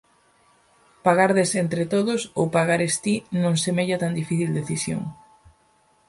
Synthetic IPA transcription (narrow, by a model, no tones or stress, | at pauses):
paɣaɾðesent̪ɾet̪oðʊsowpaɣaɾest̪inõŋsemeʎat̪and̪ifiθild̪eθisjo̰ŋ